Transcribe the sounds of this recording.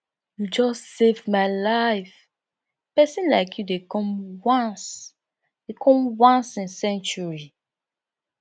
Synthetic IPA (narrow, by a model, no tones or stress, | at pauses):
jud͡ʒɔstsevmaɪlaɪf | pɛsĩnlaɪkʰjudekɔ̃mwãns | dekʰɔ̃mwãnsĩnsɛ̃nt͡ʃuɹi